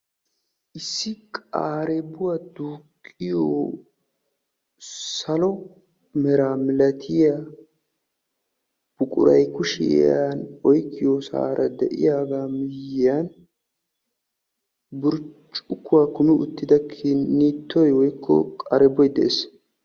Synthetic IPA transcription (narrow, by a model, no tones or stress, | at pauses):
ʔɪsːɪkʼaːɾɛbʊwad̪uːkʰʼːɪjoː | sɐlɔ | mɛɾaːmɪlɐt̪ʰɪja | b̥ʊkʼʊ̰ɾɐ̰jkʊʃɪ̰anɔjkʰʼːɪjoːsa̰ːɾʔɐd̪ɛʔɪ̰jaːɡaːmɪjɪjan | bʊɾt͡ʃʼʊkːʊwakʊmɪʔʊ̰t̪ːɪd̪ɐkʰɪnːiːt̪ːɔjwɔjkʰːɔ̰kʼaɾɛbːɔjd̪ɛʔes